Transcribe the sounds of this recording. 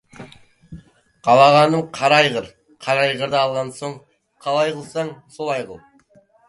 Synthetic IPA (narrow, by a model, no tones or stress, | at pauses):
qɑlˠɑʁɑnəmqʰɑɾɑjʁəɾ | qʰɑɾɑjʁəɾd̪ɑːlˠʁɑnsoɴ | qʰɑlˠɑjqʰəlˠsɑɴsolˠɑjqə̰lˠ